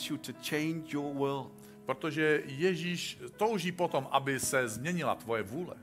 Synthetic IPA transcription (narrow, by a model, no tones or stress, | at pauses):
sjɨtʰɨt͡ʃʰẽɪ̃nd͡ʒjə˞wɪlˠd | pɾot̪oʒɛjɛʒiːʃt̪owʒiːpot̪omʔabɪsɛzmɲɛɲɪla̰t̪vojɛvuːlɛ̰